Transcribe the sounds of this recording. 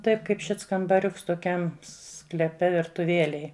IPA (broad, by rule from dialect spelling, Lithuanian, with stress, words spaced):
tɐɪp kɐɪp ʃʲɪts kɐmbɐˈrʲʊks toːˈkʲɛm sklʲɛˈpʲɛ ʋʲɪrtʊˈʋʲiɛlʲɛj